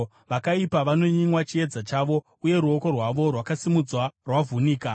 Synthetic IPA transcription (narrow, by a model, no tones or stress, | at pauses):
ʋakaipaʋano̞ɲiŋwat͡ʃie̞d͡zat͡ʃaʋo̞ | uje̞ɾuo̞ko̞rwaʋo̞rwakasimud͡zwarwavʱuniːka